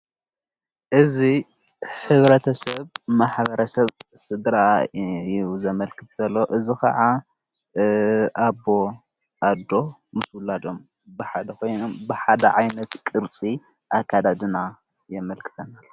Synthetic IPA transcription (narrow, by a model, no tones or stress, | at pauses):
ʔɨzi | ħɨβɾɐt̪ʰɐsɐβmaħbɐɾʔɐsɐβsɨd̪ɾajzɐmɐlkʰɨt̪z̥ɐlːoʔɨzikʰɐ̰ʕa | ʔabo̞ | ʔad̪o̞mɨswʊlad̪o̞m | bɨħad̪ɐkʰo̞jnombɨħad̪ɐʕajnɐt̪kʼɨɾt͡sʼi | ʔakːad̪ad̪ɨna | jɛmɐlkʰɨ̥t̪ʰɐnalːo